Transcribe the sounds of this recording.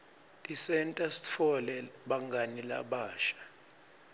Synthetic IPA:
tʼisɛntʼasi̥t͡fʰɔlɛɓaŋɡʱanila̰ɓaːʃḁ

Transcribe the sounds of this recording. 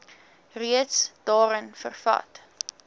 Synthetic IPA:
riətsd̥ɑːɾənfə̰rfɐ̰t

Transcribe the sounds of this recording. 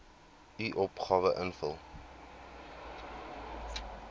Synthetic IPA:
iʔɔpχɑːvəʔənfəlˠ

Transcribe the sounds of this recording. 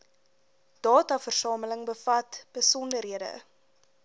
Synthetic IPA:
d̥ɑːtɑfərsɑːmələŋbəfɐtb̥əsɔndəɾɦiədə̰

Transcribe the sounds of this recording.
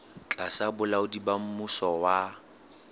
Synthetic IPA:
t͡ɬʼasabʊlaʊdibam̩mʊsɔwa

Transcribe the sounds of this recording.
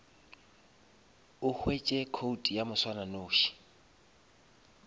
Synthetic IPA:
ʊhwet͡ʃʼɛkʰoutʼijamʊswananoːʃi̥

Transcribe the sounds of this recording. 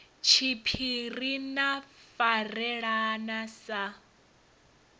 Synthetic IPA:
t͡ʃʰipʰiɾinafarɛɺanasa

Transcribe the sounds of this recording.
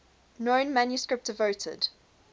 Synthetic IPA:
nɔ̃ɪ̃nmãnjuskɹɪp̚td̥əvoʊtʰə̰d̥

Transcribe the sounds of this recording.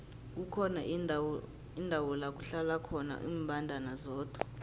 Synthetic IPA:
k̬ukʰɔna | indʱawɔlak̬ʼuɬalakʰɔna̰ʔḭːmbʱandʱanazɔːd̥ʱwa

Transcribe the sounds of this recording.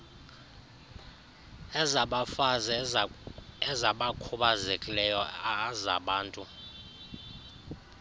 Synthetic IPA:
ɛzaɓafazɛ | ɛzaɓakʰuɓazekʼilɛjɔaza̰ɓaːntʼu

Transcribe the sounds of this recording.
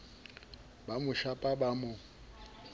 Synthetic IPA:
bamʊʃapʼabamʊ

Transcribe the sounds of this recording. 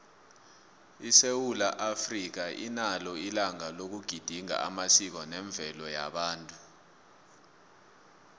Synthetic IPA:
isewulaʔafrik̬aʔinalɔilaŋalok̬uɡ̥ʱid̥ʱiŋa̰a̰masik̬ɔnɛɱb̪vʱɛlɔja̰ɓaːntʼu

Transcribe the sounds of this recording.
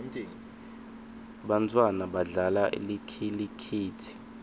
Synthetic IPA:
tʼːŋ | ɓant͡sʼwanaɓaɮalaʔḭlikʰilikʰiːtʰi̥

